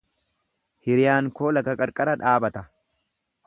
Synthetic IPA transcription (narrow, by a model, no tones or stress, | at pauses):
hɪɾɪjaːŋko̞ːlɐkɐkʼɐɾkʼɐɾɐᶑaːbɐt̪ɐ